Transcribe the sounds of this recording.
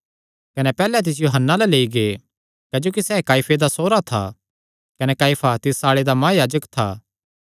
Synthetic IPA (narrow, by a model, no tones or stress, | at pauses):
kɐnɛpɛːlɛt̪̬ɪs̬joːɦənːalɐleːiɡe | kɐːd͡ʒoːkisɛːkaːipʰed̪asoːɾat̪ʰa̰ | kɐnɛkaːipʰat̪ɪsaːɭed̪amãːjaːd͡ʒəkt̪ʰa̰ː